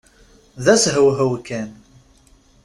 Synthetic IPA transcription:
ðæsɦəwɦəwkæn

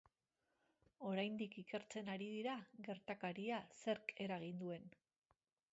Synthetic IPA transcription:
o̞ɾajnd̪ikike̞ɾt͡se̞naɾiðiɾaɣe̞ɾt̪akaɾiase̞ɾke̞ɾaɣ̞ind̪ue̞n

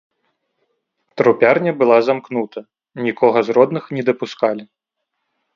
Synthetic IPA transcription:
t̪ɾupʲarnʲɐbɨlˠazamknut̪ʰɐ | nʲikʰɔɣɐzrɔd̪nɨxnʲɛd̪ɐpuskalʲi

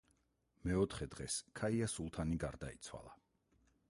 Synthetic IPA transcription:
mɛɔt̪ʰχɛd̪̥ʁɛskʰaiasulˠt̪ʰaniɡaɾd̪ait̪sʰwa̰lˠa

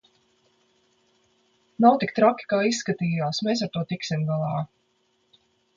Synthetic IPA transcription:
nawt̪ik̚t̪ɾakʲi̥kaːisːkat̪iːjaːsmeːs̬aɾt̪uɔt̪iksimɡalˠɑː

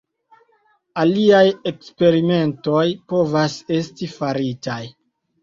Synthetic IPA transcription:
aliaje̞kspe̞ɾime̞nto̞jpo̞vase̞stifaɾitaj

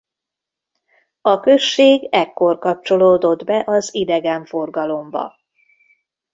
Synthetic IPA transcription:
ɒkø̞ʃːeːɡɛkːo̞rkɒp̚t͡ʃo̞loːd̪o̞d̪bɛʔɒzid̪ɛɡɛɱfo̞rɡɒlo̞mbɒ̰

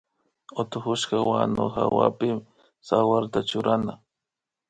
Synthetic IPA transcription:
ot̪ʊxʊʃkawanoxa̰wa̰pɪm | sawaɾt̪at͡ʃʊɾana

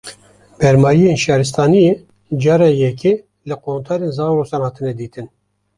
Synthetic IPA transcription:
bɛɾmɑːjijeːnʃɑːɾɨs̬t̪ɑːnijeː | d͡ʒɑːɾɑːjɛkʰe | lɨqoːnt̪ʰɑːɾenzɑːwɾoːsɑːnhɑːt̪ʰɨnɛd̪iːt̪ʰɨn

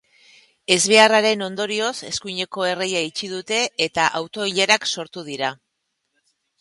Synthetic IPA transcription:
e̞zβe̞araɾe̞no̞nd̪o̞ɾio̞se̞skuɲe̞ko̞e̞re̞jait͡ʃiðut̪e̞ːt̪aʔawt̪o̞iʎeɾakso̞ɾt̪uð̞iɾa

